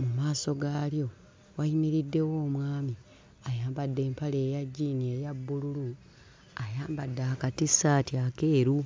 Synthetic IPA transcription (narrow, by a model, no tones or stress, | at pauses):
mumaːso̞ɡaːljo̞ | wainiɾidːe̞wo̞ːmwaːmi | ajaːmbadːe̞ːmpale̞ːjaɟːinieːjabːululu | ajaːmbadːaakatisaːtiake̞ːɾu